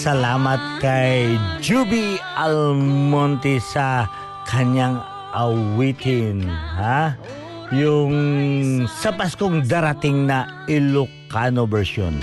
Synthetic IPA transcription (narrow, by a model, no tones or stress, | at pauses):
sɐlaːmɐt̪̚kɐjd͡ʒubiɐlmont̪isɐ | kʰɐɲaŋ | ʔɐwit̪ɪnha | jʊŋ | sɐpaskoŋd̪aɾɐt̪ɪŋnɐ | ɪlʊkanobɛɹʃo̰n